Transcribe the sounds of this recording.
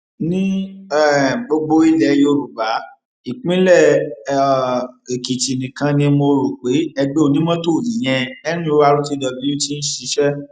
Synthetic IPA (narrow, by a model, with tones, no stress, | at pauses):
nĩ˦ɛ˦˨ɡ͡bo˧ɡ͡bo˧i˦lɛ˧jo˧ɾu˨ba˨˦ | i˨k͡pĩ˦lɛ˦˨ | e˨ki˨ti˨nĩ˨kã˧nĩ˧mo˧ɾu˨k͡pe˨˦ɛ˧ɡ͡be˦o˧nĩ˦mɔ̃˦to˦˨i˨j̃ɛ̃˧ɛ˦ñĩ˦o˧˦wa˧ɾu˦ti˦dɔ˧bi˦o˦ti˦n̩˦ʃi˨˧˦ʃɛ˦